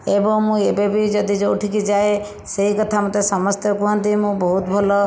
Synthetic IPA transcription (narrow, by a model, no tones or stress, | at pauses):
ebɔŋmũebebid͡ʒɔd̪id͡ʒowʈʰikid͡ʒae | seɦikɔt̪ʰamɔt̪esɔmɔst̪jɔkuɦant̪imũbɔɦut̪bʱɔlɔ